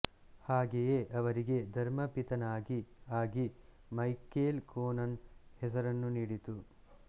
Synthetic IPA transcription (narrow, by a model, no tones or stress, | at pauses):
haːɡejeʔɐʋɐɾiɡe̞d̪ʱɐɾmɐpit̪ɐnaːɡiaːɡi | mɐjkeːlkoːnɐnhɛsɐɾɐnːuniːɽit̪u